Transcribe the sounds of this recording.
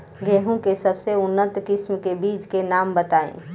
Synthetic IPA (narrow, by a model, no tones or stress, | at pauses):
ɡeɦũkesəbseʊnːət̪kɪsmkebiːt͡ʃkenaːmbət̪aːḛ̃